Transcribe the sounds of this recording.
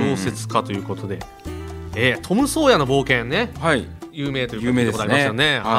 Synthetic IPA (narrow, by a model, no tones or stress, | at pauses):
oːse̞t͡sɨ̥kat̪o̞jɯ̟ːko̞t̪o̞d̪e̞ | eːt̪ʰo̞mɯ̟so̞ːjano̞bo̞ːkẽ̞nːe̞haijɯːme̞ːt̪ojioeeeaɾmsone̞ha